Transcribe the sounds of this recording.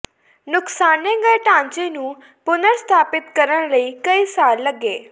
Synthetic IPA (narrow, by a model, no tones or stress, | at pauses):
nʊksaːnẽːɡəeʈãːɲt͡ʃeːnũː | pʊnəɾst̪ʰaːpɪt̪kəɾəɽɳ̃ləiːkəiːsaːlːəɡeː